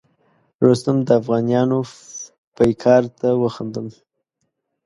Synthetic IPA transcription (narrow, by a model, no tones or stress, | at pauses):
ɾost̪əmd̪əafɣɑnjɑno | pajkʰɑɾt̪awəxand̪əm